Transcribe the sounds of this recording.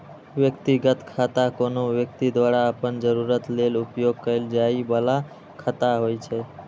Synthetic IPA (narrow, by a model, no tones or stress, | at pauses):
ʋjəkt̪iɡət̪kʰat̪akonoʋjək̚t̪id̪waɾaəpənd͡ʒəɾuɾət̪lelupjoɡ̚kəɪld͡ʒaibəla | kʰət̪aɦojt͡ʃʰɛ